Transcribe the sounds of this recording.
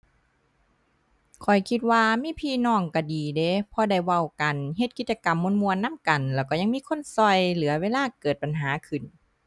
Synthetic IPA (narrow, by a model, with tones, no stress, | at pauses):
kʰɔ˨˩jkʰi˧t̪̚waː˧miː˧˥˨pʰiː˧˨nɔː˧˩ŋka˧˩diː˨˩de˧˦pʰɔ˧da˧˩jwa˧˩wka˨nɦe˧t̪̚ki˧t̪̚t͡ɕa˧ka˨mːo˧˥˨nmu˧ənːa˧˥˨mka˨˩nlɛː˧˩wkɔː˧˩ɲa˧ŋmiː˧˥˨kʰo˧˥˨nsɔ˧˩jlɯː˨˦ɐweː˧˥˨laː˧˥˨kɤː˨˩t̪̚pa˨˩nɦaː˨˦kʰɯ˨˩n